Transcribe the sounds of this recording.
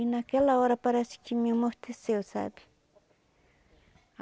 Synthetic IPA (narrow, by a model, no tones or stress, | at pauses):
inakelaoɾapaɾasi̥kimmʊht̪ʰesewsa̰bɪ̥